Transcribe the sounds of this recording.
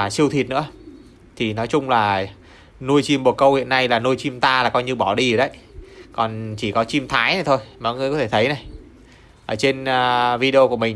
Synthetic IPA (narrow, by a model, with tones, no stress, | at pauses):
aː˨˩si˧əwt̪ʰi˨˩t̚nɨ̰˧˥ə | t̪ʰi˨˩nɔ˨˦jt͡ɕʊ˧ŋ͡mlaː˨˩ | nu˧əjt͡ɕi˧˩mɓo˨˩t̚kə˧whḭ˧˨ənːa˧jlaː˨˩nu˧jt͡ɕi˧mt̪aː˧laː˨˩kɔ˧jɲɨ˧ɓɔ˧˩ɗi˧ə˨˩ɗə˨˦jkɔ˨˩nt͡ɕi˧˩kɔ˨˦t͡ɕi˧mt̪ʰaː˨˦jna˨˩t̪ʰo˧jmaː˨˦ŋɨ˧˨jkɔ˨˦t̪ʰe˧˩ə˨˦jna˨˩j | ʔəː˧˩t͡ɕe˧nː˧vi˧ɗe˧o˧ku˧˩əmï˨˩